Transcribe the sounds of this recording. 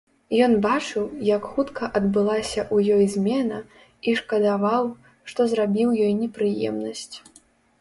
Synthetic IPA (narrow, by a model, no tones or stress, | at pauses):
jɔnbat͡ʂɨwjɐkxut̪kʰɐʔɐd̪bɨlˠasʲɐʔujɔjzʲmʲɛnɐ | iʂkɐd̪avaw | ʂt̪ɔzɾabʲiwjɔjnʲɛpɾɨjɛ̰mnɐsʲt͡sʲ